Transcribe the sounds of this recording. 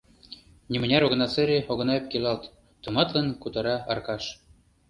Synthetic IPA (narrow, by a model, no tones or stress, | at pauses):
nʲimɘ̆nʲæɾoɣɤ̆nɑt͡sɘ̆ɾʲeoɣɤ̆nɑep̚kelʲɑlt̪ | t̪ɤ̆mɑt̪lɤ̆nkut̪ɑɾɑɑrkɑʃ